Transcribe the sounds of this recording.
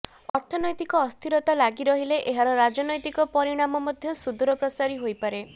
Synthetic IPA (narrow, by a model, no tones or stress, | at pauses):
ɔɾt̪ʰɔnɔjt̪ikɔːst̪ʰiɾɔt̪alaɡiɾɔɦileʔeɦaɾɔɾad͡ʒɔnɔjt̪ikɔpɔɾiɽ̃amɔmɔd̪ʱjɔsud̪uɾɔpɾɔsaɾiɦojpaɾe